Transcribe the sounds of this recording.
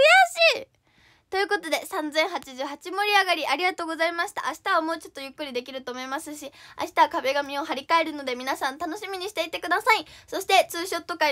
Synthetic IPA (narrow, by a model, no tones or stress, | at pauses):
jaɕiː | t̪o̞jɯ̟ːko̞t̪o̞d̪e̞sãnd͡zẽ̞ɰ̃hat͡ɕiʑɨːhat͡ɕimo̞ɾʲiaɡaɾʲiʔaɾʲiɡat̪o̞ːɡo̞zaimaɕi̥t̪a̰ʔaɕi̥t̪aβamo̞ːt͡ɕo̞t̪ːo̞jɯ̟kːɯ̟ɾʲid̪e̞kʲiɾɯ̟t̪oːmo̞imasɨɕia̰ɕi̥t̪aβakabe̞ɡamʲĩo̞ɦaɾʲikae̞ɾɯ̟no̞d̪e̞mʲinasãnt̪ano̞ɕimʲiɲ̟iɕi̥t̪e̞it̪e̞kɯ̟d̪asaiso̞ɕi̥t̪e̞t͡sɨːɕo̞t̪ːo̞kai